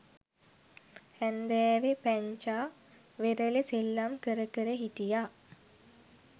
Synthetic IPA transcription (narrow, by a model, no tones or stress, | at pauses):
hænd̪ɛːʋepæɲt͡ʃaː | ʋeɾəleselːamkəɾəkəɾəɦit̪ija